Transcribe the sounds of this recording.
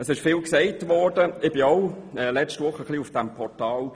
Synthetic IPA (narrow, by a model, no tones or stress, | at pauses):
əsɪʃfɪːlksɛɪtʋɔːɹdəɪb̥ɪɔʊɛlɛt͡ʃtʋʊχəχliufd̥ɛmpʰɔɹtɑːl